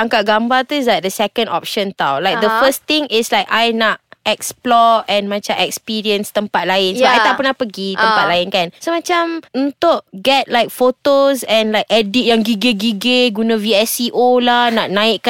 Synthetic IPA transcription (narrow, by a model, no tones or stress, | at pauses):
aŋkaʔ̚ɡambat̪uɪsdat̚d̪əsɛkə̃ndɔ̰p̚ʃə̃nt̪awlajk̚d̪əfəst̪ɪ̃ŋɪslajkajnaʔɛksplɔɛ̃nmãt͡ʃamɛkspiɾiənst̪əmpat̪̚laɪnsəbapʔajt̪aʔpənahpəɡit̪əmpat̪̚laɪnkansomãt͡ʃamunt̪ʊʔɡɛt̪̚lajk̚fot̪osɛ̃nlajk̚ɛdit̚jaŋɡiɡeɡiɡeɡunãviɛsiʔolahnaʔnãɪʔk